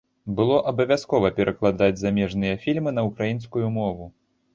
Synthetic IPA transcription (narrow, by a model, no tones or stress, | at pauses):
bɨlˠɔʔɐbɐvʲaskɔvɐpʲɛɾʔɐklˠad̪ad͡zʲzamʲɛʐnɨjɐfʲilʲmɨnɐukɾajinskujumɔvu